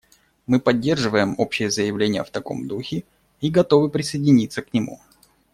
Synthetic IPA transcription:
mɨpɐdʲːe̞rʐɨvəjɪmo̞pɕːɪjəzəjɪvlʲenʲɪjə̰ft̪ɐko̞̰md̪uxʲɪ | iɡɐt̪o̞vɨpɾʲɪsəjɪdʲɪnʲit̪sːəknʲɪmṵ

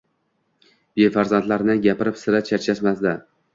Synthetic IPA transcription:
befaɾzant̪laɾnɪɡʲapɪɾɪpsɪɾat͡ʃʰat͡ʃʰaʃmazd̪a

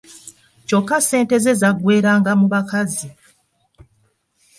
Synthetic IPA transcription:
co̞kːase̞ːnte̞ze̞zaɡwe̞ːɾaːŋɡamuβakazi

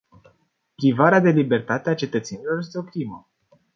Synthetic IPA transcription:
pɾivaɾead̪e̞libe̞rt̪at̪eat͡ʃe̞t̪ət̪senilo̞rjest̪eo̞kɾimə

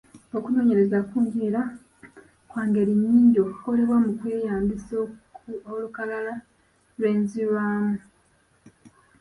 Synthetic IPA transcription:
okuno̞ːɲe̞ɾe̞zakuːɲɡiːɾa | kwaːŋɡe̞ɾiɲːiːɲɟo̞koɾiβwamukweːjaːmbisolukalala | lwe̞ːnziβaːmu

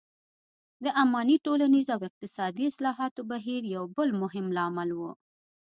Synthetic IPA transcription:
d̪əʔamɑniʈolanizawɪq̚t̪ɪsɑd̪iɪslɑɦɑt̪obaɦiɾjawbəlmʊɦɪmlɑmalwu

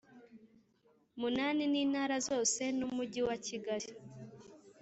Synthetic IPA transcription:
munaːniniːnhaːɾazo̞ːse̞numuɟiwaciɡaɾi

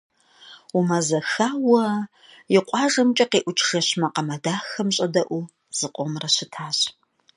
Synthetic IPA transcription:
umɐzɐxaːwɐ | jɪqʷʼɑːʒɐmt͡ʃʼɐqeːʔʷʊt͡ʃʰʼʒ̥ɐɕmɐqɐmɐdaːxɐmɕʼɐdɐʔu | z̥ɨqʷʼɔmrɐɕɪtʰaːɕ

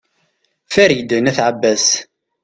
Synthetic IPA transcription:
fæɾid̪næθʕəbːæs

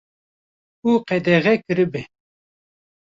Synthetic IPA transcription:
uːqɛd̪ɛɣɛkɨɾɨbɛ

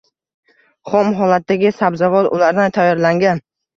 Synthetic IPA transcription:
χɒmɦɒlat̪̚ːaɡʲɪsabzavɒt̪ʊ̰laɾd̪ant̪ʰajɒɾlaŋɡʲan

